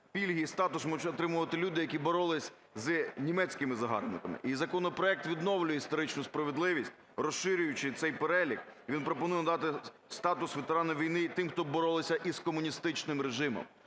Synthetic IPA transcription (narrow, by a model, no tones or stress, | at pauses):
pʲilʲɦist̪ɑt̪ʊsmɔt͡ʃɔt̪ɾɪmʊʋɐt̪ɪlʲud̪ɪjɐkʲibɔɾɔlˠɪsʲ | znʲimɛt͡sʲkɪmɪzɐɦɑ̰rnɪkɐmɪ̰ʔizɐkɔnɔpɾɔɛk̚t̪ʋʲid̪nɔwlʲʊjɛist̪ɔɾɪt͡ʃnʊspɾɐʋed̪lˠɪʋʲisʲtʲ | rɔsɪɾʲʊjʊt͡ʃɪt̪sɛjpeɾɛlʲikʋʲinpɾɔpɔnujɛnɐd̪ɑt̪ɪ | st̪ɑt̪ʊsʋet̪eɾɑnʊʋʲijnɪt̪ɪmxt̪ɔbɔɾɔlˠɪsʲɐʔiskɔmʊnʲist̪ɪt͡ʃnɪmɾeʒɪmɔ̰m